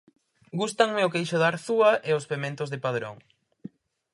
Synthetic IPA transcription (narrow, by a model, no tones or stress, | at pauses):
ɡust̪aŋmeʊkejʃoðaɾθuɐʔeospemẽnt̪ʊzðepaðɾo̰ŋ